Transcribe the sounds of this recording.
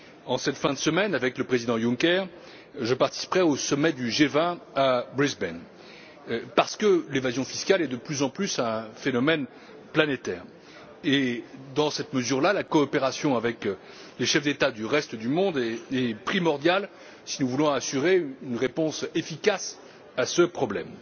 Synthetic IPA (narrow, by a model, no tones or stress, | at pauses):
ɑ̃sɛt̪fɛ̃d̪əsəmɛnavɛkləpχezid̪ɑ̃jũŋkʲɛʁ | ʒəpaʁt̪i̥si̥pʁɛosɔmɛd̪yʒevɛ̃abʁizbɛn | paʁsə̥kəlevazjɔ̃fiskalɛd̪əplyzɑ̃plysɛ̃fenɔmɛn | planet̪ɛːʁ | ed̪ɑ̃sɛt̪məzyʁlalakɔːpeʁasjɔ̃avɛk | leʃɛfd̪et̪ad̪yʁɛst̪d̪ymɔ̃d̪ɛpχimɔʁd̪jal | sinuvulɔ̃asyʁeynʁepɔ̃sefikas | asəpχɔblɛ̰m